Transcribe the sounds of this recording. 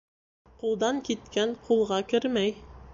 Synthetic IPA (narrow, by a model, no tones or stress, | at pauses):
qulˠd̪ɑŋkit̪kænqʰulˠʁɑkɘɾmæj